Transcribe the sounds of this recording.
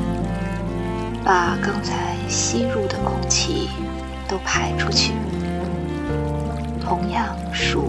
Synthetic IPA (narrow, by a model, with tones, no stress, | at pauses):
pa˨˩kɑ˥ŋt͡sʰa˧˥ɪɕi˥ɻu˥˩d̪ə˩kʊ˥ŋt͡ɕʰḭ˧˩ | t̪o˥ʊpʰa˧˥ɪʈ͡ʂʰu˥t͡ɕʰy˥˩ | t̪ʰʊ˧˥ŋjɑ˥˩ŋ | ʂu˨˩